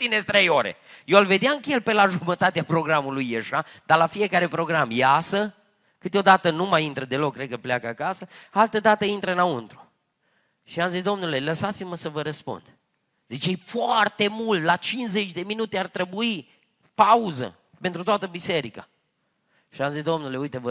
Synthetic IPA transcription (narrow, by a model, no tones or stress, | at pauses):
sinesʲt̪ɾejo̞ɾḛjoalve̞d̪jaɨŋkjelpelaʒumət̪at̪eapɾo̞ɡɾamulujːeʃad̪alafie̞kaɾe̞pɾo̞ɡɾamjasə | kɨt̪eo̞d̪at̪ənumajint̪ɾəd̪e̞lokːɾed̪̚kəpleakəakasəalt̪əd̪at̪əint̪ɾəɨnaunt̪ɾu̥ | ʃiamzisd̪o̞mnule̞ləsat̪siməsəvəɾəspṵnd̪̥ | zit͡ʃejfoart̪e̞mult̪lat͡ʃinsze̞t͡ʃʲd̪e̞minut̪e̞art̪ɾebui | pauzə̰ | pe̞nt̪ɾut̪oat̪əbise̞ɾika̰ | ʃiamzisd̪o̞mnule̞ujt̪evə